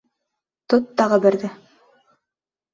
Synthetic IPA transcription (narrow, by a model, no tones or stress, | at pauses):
t̪ot̪ːɑʁɤbɘ̆ɾd̪ɘ